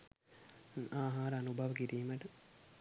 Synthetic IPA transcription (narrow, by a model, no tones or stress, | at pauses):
aːɦaːɾəanubʱaʋəkiɾiːməʈə